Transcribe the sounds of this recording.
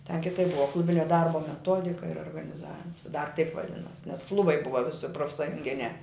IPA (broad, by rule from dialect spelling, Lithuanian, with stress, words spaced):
tʲɛn kʲɪˈtɐɪp ˈbʊʋɐ ˈklˠʊbʲɪnʲɛ ˈdɐrboː mʲɛˈtoːdʲɪkɐ ɪr oːrɡɐnʲɪˈzɑːʋʲɪm dɐr tɐɪp ʋɐˈdʲɪnoːs nʲɛs ˈklˠʊbɐɪ ˈbʊʋɐ ˈʋʲɪsʲɪ proːfsɐjʊŋʲˈɡʲɪnʲæː